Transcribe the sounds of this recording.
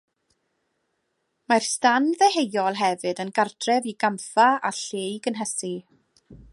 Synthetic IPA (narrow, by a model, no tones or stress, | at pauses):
marstanðɛhejɔlˠɦɛvɨdənɡardʰrɛviɡamfaaɬejɡənɦɛsi